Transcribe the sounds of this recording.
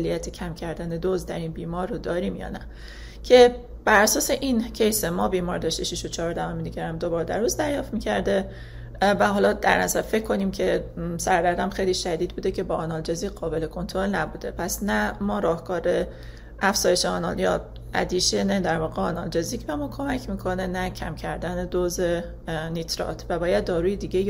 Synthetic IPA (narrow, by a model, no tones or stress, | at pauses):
lːijæt̪ʰecʰæmcʰæɾd̪æned̪ozd̪æɾiːnbiːmɒːɾːod̪ɒːɾiːmjɒ̰ːnæ | cʲʰe̞ | b̥æɾæsɒːse̞ʔincʰejsemɒːbiːmɒːɾd̪ɒʃt̪iʃiʃot͡ʃʰɒːɾd̪ævomed̪iːɟæɾæmd̪o̞bɒːɾd̪æɾuːzd̪æɾjɒːft̪miːcʰæɾd̪e | væhɒːlɒːd̪æɾnæzæɾfe̞cʰːo̞niːmcʰe̞sæɾd̪æɾd̪æmxejliːʃæd̪iːd̪̚buːd̪e̞cʰe̞bɒːʔɒnɒːld͡ʒeziːɢɒːbe̞le̞kʰo̞nt̪ʰoɾo̞lnæbuːd̪e̞̰pʰæsnæmɒːɾɒːhkɒːɾe̞ | ʔæfz̥ɒːjeʃeɒːnɒ̰ljɒ̰ː | æ̰d̪iːʃened̪æɾvɒːɣeɒːnɒld͡ʒeziːcʰʲebemɒːkʰo̞mæcʰmiːkʰo̞ne̞næcʰæmcʰæɾd̪æned̪oze | niːt̪ʰɾɒ̰t̪ʰvæbɒːjæd̪̚ːɒːɾuːjed̪iːɟe